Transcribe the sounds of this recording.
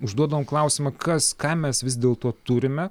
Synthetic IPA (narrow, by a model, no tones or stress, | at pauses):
ʊʒd̪uɔd̪ɐʋoːmklˠɐʊsʲɪmɐkʰɐskɑːmʲɛsʋʲɪzd̪ʲeːlˠt̪oːt̪ʊɾʲɪmʲɛ